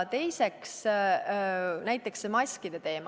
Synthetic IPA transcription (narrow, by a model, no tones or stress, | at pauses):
t̪e̞jse̞ks | næjt̪ːˑe̞ksemɑsʲkid̪̥e̞t̪e̞ːm